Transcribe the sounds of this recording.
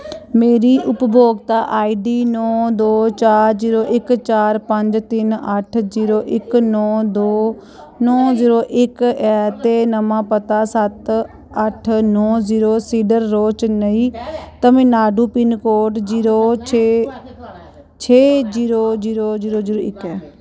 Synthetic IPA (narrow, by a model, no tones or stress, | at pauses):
meːɾiːʔʊpbʱoːɡt̪aːʔaːiːɖiːnɔːd̪oːt͡ʃaːɾziːɾoːʔɪkt͡ʃaːɾpə̃ɲd͡ʒt̪ɪnəʈʰziːɾoːʔɪknɔːd̪oː | nɔːziːɾoːʔɪkɛːt̪eːnəmãːpət̪aːsət̪ | əʈʰnɔːziːɾoːsiːɖəɾːoːt͡ʃnəĩːt̪əmẽːnaːɖuːpɪnkoːʈd͡ʒiːɾoːt͡ʃʰe | t͡ʃʰeːziːɾoːziːɾoːziːɾoːziːɾoːɪkɛː